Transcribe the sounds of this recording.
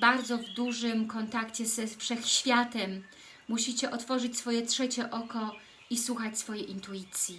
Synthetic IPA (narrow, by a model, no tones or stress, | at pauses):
baɾd̪zɔvd̪uʐɘmkɔnt̪akt͡ɕɛzɛfʂɛxɕfʲjat̪ɛmː | uɕit͡ɕɛʔɔt̪fɔʐɘt͡ɕsfɔjɛtʂɛt͡ɕɛʔɔkɔ | iswuxat͡ɕsfɔjɛʔint̪uit̪sʲji